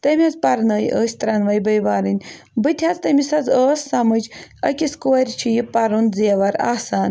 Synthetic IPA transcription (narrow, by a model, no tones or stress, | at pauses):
t̪ɐmʲazpɐɾnəːjʔəːsʲt̪ɾɐnʋɐjbəjʋaːɾɨnʲ | bɨt̪ʲʰjat͡st̪ɐmʲisɐzəːsːɐmɨd͡ʒɐ̰kʲiskoɐɾʲt͡ʃʰijipɐɾunziɐʋɐɾa̰ːsaːn